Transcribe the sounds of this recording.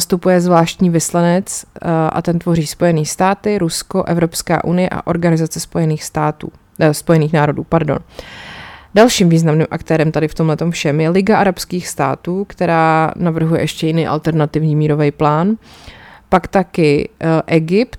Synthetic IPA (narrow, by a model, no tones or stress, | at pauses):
st̪upujɛzvlaːʃt̪ɲiːvɪslanɛt͡sʔa̰t̪ɛnt̪vo̞riːspo̞jɛniːst̪aːt̪ɪɾusko̞ʔɛvɾo̞pska̰ːʔunɪjɛʔa̰ʔo̞ɾɡanɪzat͡sɛspo̞jɛniːxst̪aːt̪uː | spo̞jɛniːxnaːɾo̞dṵːpaɾdo̞̰n | dalʃiːmviːznamniːmʔakt̪ɛːɾɛmt̪adɪft̪o̞mlɛt̪o̞mfʃɛmjɛlɪɡaʔaɾapskiːxst̪a̰ːt̪uːkt̪ɛɾaːnavr̩ɦujɛ̰ʔɛʃcɛjɪniːʔa̰lt̪ɛɾnat̪ɪvɲiːmiːɾovɛjplaːn | pakt̪akɪʔɛɡɪpt̪